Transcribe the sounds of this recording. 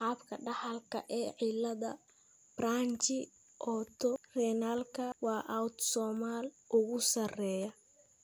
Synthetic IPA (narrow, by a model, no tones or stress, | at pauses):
ħaːbkʰɐɖɑħɐlkʰɐ̰ʔɛːʕilɐðɐ̰ | braːnt͡ʃɪ | ʔɔːt̪ʰɔrɛnaːlkʰɐwɑːʔawt̪sɔːmaːl | ʔʊɣʊsɐrɛːjɐ